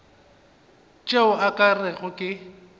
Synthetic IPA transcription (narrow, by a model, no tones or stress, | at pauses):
t͡ʃʼeʊakʼarɛɣʊkʼɪ